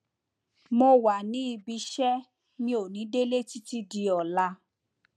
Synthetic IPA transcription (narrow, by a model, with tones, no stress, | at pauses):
mo˧wa˨nĩ˦i˧bi˧˦ʃɛ˦ | nĩ˦o˨nĩ˨˦de˦le˦ti˦ti˦di˧ɔ˨la˧˦